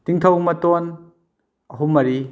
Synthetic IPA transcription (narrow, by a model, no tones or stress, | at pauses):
tiŋt̪ʰɐwmɐtɔn | ɐɦumɐɾi